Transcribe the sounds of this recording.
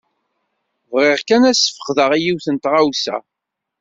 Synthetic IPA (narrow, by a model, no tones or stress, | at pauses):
vʁɪʁkænæsə̥fə̥χðəʁijiwθənt̪ʁawsæ̰